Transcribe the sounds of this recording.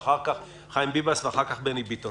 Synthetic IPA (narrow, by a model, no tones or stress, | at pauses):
χaʁkaχ | χajmbibasveaχaʁkaχbenibit̪o